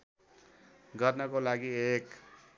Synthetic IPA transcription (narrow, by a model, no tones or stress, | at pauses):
ɡʌrnʌkolaɡiek